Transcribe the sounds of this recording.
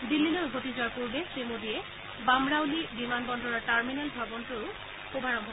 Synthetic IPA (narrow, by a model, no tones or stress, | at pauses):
dilːinɔɹɡʱotizʊwaɹpuɹbesemodijɛ | bamɹawlibimanbɔndɔɹɔɹʈaɹminɛlbʱabɔntʊɹʊ | xobʱaɹɔmɦɔ